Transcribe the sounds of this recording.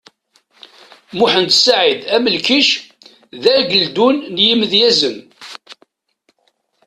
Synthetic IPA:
mʊħənd̪saʕid̪æməlkiʃ | ðæɾɡəld̪unːjiməðjæzən

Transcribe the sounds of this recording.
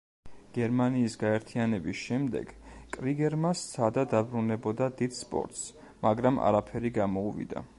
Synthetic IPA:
ɡ̥ɛɾmaniːsɡaɛɾt̪ʰianɛbisʃɛmd̪ɛ̰ɡ̥kʼɾiɡɛɾmast̪sʰad̪ad̪abɾunɛbɔd̪ad̪id̪̥spʼɔ̰ɾt̪s | maɡɾama̰ɾapʰɛɾiɡamɔuvḭd̪a̰

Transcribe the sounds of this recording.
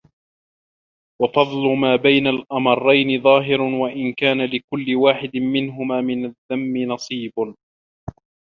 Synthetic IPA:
wɑfɑðˤlʊmaːbajnalʔɑmɑrˤːɑjnɪðˤɑːɦɪɾwaʔɪnkaːnalɪkʊlːɪwaːħɪd̪ɪmɪnɦʊmaːmɪnaðːamːɪnɑsˤiːb

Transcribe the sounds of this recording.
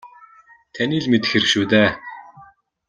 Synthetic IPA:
t̪ʰæniːɮmet̪ɘ̥̆xerɘ̆kʃuːt̪æː

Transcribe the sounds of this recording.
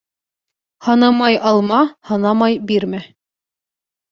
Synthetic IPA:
hɑnɑmɑjɑlˠmɑhɑnɑmɑjbiɾmæ

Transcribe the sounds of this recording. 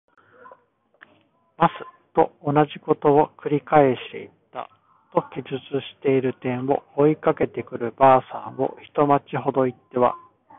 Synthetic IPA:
masɨ̥t̪o̞ːnaʑiko̞t̪o̞okɯ̟ɾʲikae̞ɕi̥t̪e̞̰it̪ːa̰ | t̪o̞kʲiʑɨt͡sɨɕi̥t̪e̞iɾɯ̟t̪ẽ̞ɰ̃βo̞̰oikake̞t̪e̞kɯ̟ɾɯ̟baːsã̰ɰ̃βo̞̰çi̥t̪o̞mat͡ɕiɦo̞d̪o̞it̪ːe̞βa̰

